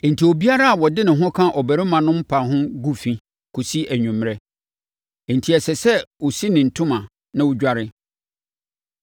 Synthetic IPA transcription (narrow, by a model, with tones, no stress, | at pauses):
n̩˨tʰi˨ɔ˨bi˦a˦ɾa˦a˨wɔ˨dɪ˦nɪ̃˨ɦʊ̃˦kʰã˦ʔɔ˨bæ˨ɾɪ˦mã˨nʊ̃˦m̩˦pʰa˨ɦʊ̃˦ɡu˦fĩ˨˦ | kʰʊ˨si˦ʔæ˨ɲũ˨m˨ɾɛ˦˨ | n̩˨tʰi˨ɛ˨sɛ˨sɛ˦wo˨si˦nɪ̃˨n̩˨tʰʊ̃˦mã˨ | nã˦wʊ˦d͡ʑᶣa˦ɾɪ˦